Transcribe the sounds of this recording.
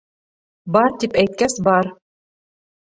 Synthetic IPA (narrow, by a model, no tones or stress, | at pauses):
bɑɾt̪ipæjt̪̚kæsbɑɾ